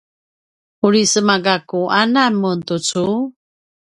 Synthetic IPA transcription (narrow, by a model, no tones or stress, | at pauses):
uɾisəmaɡakuʔanamuntut͡su